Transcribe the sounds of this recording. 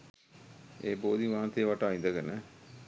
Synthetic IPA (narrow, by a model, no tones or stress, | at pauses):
eːboːd̪iʋaːnt̪ejəʋaʈaːind̪əɡənə